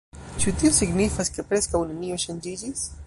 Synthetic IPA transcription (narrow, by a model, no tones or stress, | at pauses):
t͡ʃutio̞siɡnifaske̞pɾe̞skawnenio̞ʃand͡ʒid͡ʒis